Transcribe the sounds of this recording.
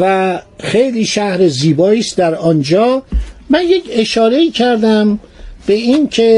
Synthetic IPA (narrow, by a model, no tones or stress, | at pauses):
væxe̞jliːʃæhɾeziːbɒːiːst̪̚d̪æɾɒnd͡ʒɒːmænjecʰe̞ʃɒːɾe̞iːcʰæɾd̪æmb̥eiːncʰe